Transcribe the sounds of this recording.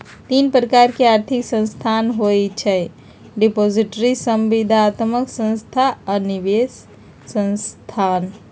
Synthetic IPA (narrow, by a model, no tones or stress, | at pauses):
t̪inpɾəkaɾkeaɾt̪ʰiksə̃nst̪ʰanɦojt͡ʃʰə | ɖipoziʈɾisəmʋid̪ʱaːt̪məksə̃nst̪ʰaəniʋesː | ə̃nst̪ʰan